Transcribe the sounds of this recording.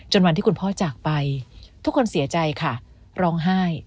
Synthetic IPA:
t͡ɕo˧nwa˧nt̪ʰiː˥˩ku˧npʰɔː˥˩t͡ɕaː˨˩k̚pa˧jt̪ʰu˥kʰːo˧nsi˨˩˦ɐt͡ɕa˧jkʰa˥˩ | ɾɔː˦˥ŋɦaː˥˩j

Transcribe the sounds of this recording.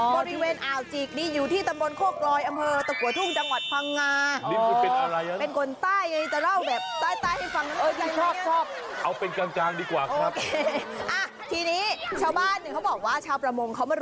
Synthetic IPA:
bɔː˧ɾi˧weː˧nʔaː˨˩wt͡ɕiː˨˩k̚niː˧˥juː˨˩t̪ʰiː˥˩t̪a˧mbo˧nkʰoː˥˩k̚lɔː˧jʔa˧mpʰɤː˧t̪a˨˧˩kʰu˨˩˦t̪ʰu˥˩ŋt͡ɕa˧ŋwa˨˩t̪̚pʰa˧ŋːaː˧iː˧˩˧a˧ɾa˧jpe˧nkʰo˧nt̪aː˥˩ji˧˩t̪a˧ɾa˥˩wbɛː˨˩p̚t̪aː˥˩t̪aː˥˩jha˥˩jfa˧ŋaː˧˥˧ka˧˩kʰɔː˥˩kʰɔː˥˩p̚ | ʔa˧wpe˧nkaː˧nkaː˧ŋdiː˧kwaː˨˩kʔoːa˧˩˦kʰeː˧ʔa˧˩ | t̪ʰiː˧niː˦˥t͡ɕʰaː˧wbaː˥˩nːi˧˩kʰa˦˥wbɔː˨˩k̚waː˥˩t͡ɕʰaː˧wpɾa˧mo˧ŋkʰa˦˥wmaː˧˥˩

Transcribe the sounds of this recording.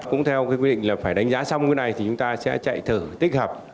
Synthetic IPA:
kʊ̰˧˥ŋ͡mt̪ʰɛ˧wkaː˨˦kwi˧ɗḭ˧˨ŋ̟laː˨˩faː˧˩jɗa˨˦ŋ̟zaː˨˦sa˧wŋ͡mkəː˨˦jna˨˩jt̪ʰi˨˩t͡ɕʊ˨˦ŋ͡mt̪aː˧sɛ̰˧˥t͡ɕa̰˧˨jt̪ʰɨː˧˩t̪i˦˥k̟̚həː˨˩p̚

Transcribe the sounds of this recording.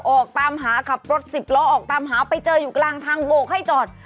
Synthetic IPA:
ʔɔː˨˩k̚t̪aː˧mɦaː˩˦kʰa˨˩p̚ɾo˦˥t̪̚si˨˩p̚lɔː˦˥ʔɔː˨˩k̚t̪aː˧mɦaː˩˦pa˧jt͡ɕɤː˧juː˨˩klaː˧ŋt̪ʰaː˧ŋboː˧˩kʰa˥˩jt͡ɕɔː˨˩t̪̚

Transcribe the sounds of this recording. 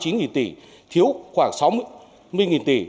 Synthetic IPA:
t͡ɕi˨˦nŋi˨˩nt̪i˧˩ | t̪ʰi˨˦əwxwaː˧˩ŋsa˨˦w | mɨ˧əjŋi˨˩nt̪i˧˩

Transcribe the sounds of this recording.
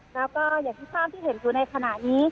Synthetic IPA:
lɛː˦˥wkɔː˥˩jaː˨˩k̚t̪ʰiː˥˩sʰaː˥˩p̚t̪ʰiː˥˩ɦe˩˦njuː˨˩na˧jkʰa˧na˨˩ʔniː˦˥

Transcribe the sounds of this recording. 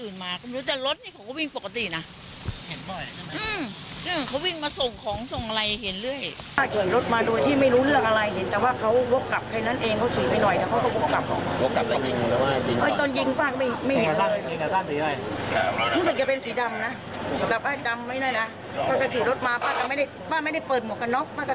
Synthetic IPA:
ʔɯː˨˩nmaː˧ka˥˩mː˧˦˥t̪ɛː˨˩ɾo˦˥t̪̚niː˥˩kʰa˦wka˥˩wi˧˥˧ŋpo˨˩kːa˧t̪i˨˩na˦˥ | he˩˦ndɔ˧˩jʔɯː˧˩mʔɯː˧˩kʰa˦˥wi˥˩ŋmaː˧so˨˩ŋkʰɔː˨˩˦ŋso˨˩ŋʔa˧ɾa˧jhe˩˦nlɯ˥˩əjʰaː˥˩k̚i˨˩˦ɾo˦˥t̪̚maː˧duː˧˥˩əjt̪ʰiː˥˩ma˥˩jɾuː˦˥lɯ˥˩əŋ̚ʔa˧ɾa˧jɦe˩˦nt̪ɛː˨˩waː˥˩kʰa˦˥wwo˦˥p̚ka˨˩p̚kʰa˧jna˦˥nʔeː˧ŋkʰa˦˥wsiː˨˦pa˧˩jnɔ˨˩jt̪ɛː˨˩kʰa˦˥wkɔ˧˩ko˦˥p̚kːa˨˩p̚kʰɔ̰˨˦ŋ˧wo˦˥ka˨˩a˦˨˩a˧aː˧˩i˧˩ʔaː˧˥˩t̪oː˧nji˧˩ŋfaː˥˩ŋkɔ˧˩ma˥˩jma˥˩jhe˨˦˧aː˥˧i˧a˧aː˥˩ŋsiː˨˦jɔ˥˩jɾu˦˥s̬ɯ˨˩k̚t͡ɕa˨˩pe˧nsiː˩˦da˧mna˦˥˦ | t̪aː˨˩baː˥˩nt͡ɕa˧mːa˥˩jnɔː˥˩˨jna˦˥ | ka˥˩t͡ɕa˧˩t̪ʰiː˨˩˦ɾo˦˥t̪̚maː˧baː˥˩ka˧˩ma˥˩jda˥˩j | baː˥˩nma˥˩jda˥˩jpɤː˨˩t̪̚mu˨˩əka˧nːɔ˦˥k̚maː˥˩kɔ˥˩

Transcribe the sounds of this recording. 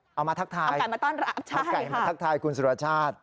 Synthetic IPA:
ʔa˧wmaː˧t̪̚ʰt̪ʰaː˧ja˨˩jmaː˧t̪ɔː˥˩nɾa˦˥t͡ɕʰa˧˥˩ka˨˩maaː˧t̪ʰa˥k̚t̪ʰaː˧jkʰu˧nsu˨˩a˧˩t͡ɕʰaː˥˩t̪̚

